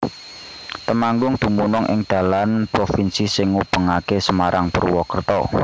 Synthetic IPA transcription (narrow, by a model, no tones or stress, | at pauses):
t̪əmaŋɡʊŋd̪̥ṳmunʊŋʔɪ̰ŋd̪̥ä̤lanpɾofinsisɪŋːub̥ə̤ŋakesəmaɾʔaŋpə̰rwɔkərt̪ɔ